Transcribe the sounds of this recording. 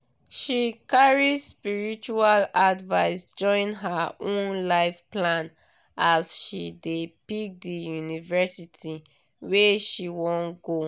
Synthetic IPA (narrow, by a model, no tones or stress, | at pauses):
ʃikaɹispiɹit͡ʃualadvaɪsd͡ʒɔ̃ɪ̃nɦaõnnlaɪfplãn | asʃidepik̚dijunivɛsitʰi | weʃiwɔ̃nɡo